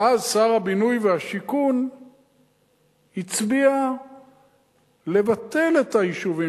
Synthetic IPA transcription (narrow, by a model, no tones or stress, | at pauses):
azsaʁabinujveaʃikun | hit͡sbia | le̞vat̪e̞le̞taiʃuvi